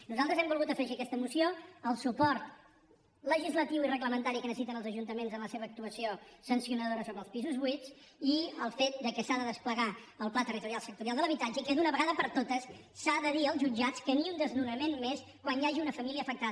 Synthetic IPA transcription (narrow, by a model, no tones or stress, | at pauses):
nuzalˠt̪ɾəzɛmbulˠɣut̪əfɾɛʃəkɛst̪əmusioəlˠsupɔɾt̪ | ləʒizlət̪iwirəɣləmənt̪aɾikənəsit̪ənəlˠzəʒunt̪əmenzənləseβəːk̚t̪uəsiosənsiunəðoɾəsoβɾəlˠspizuzβuit͡s | iəlˠfet̪̚d̪əkəsaðəðəspləɣaəlˠplat̪ərit̪uɾjalˠsək̚t̪uɾialˠd̪ələβit̪ad͡ʒəikɛðunəβəɣaðəpəɾt̪ot̪əsː | aðəðiəlˠzʒud͡ʒat͡skəniund̪əznunəmenmes | kwanjaʒiunəfəmiliəːfək̚t̪a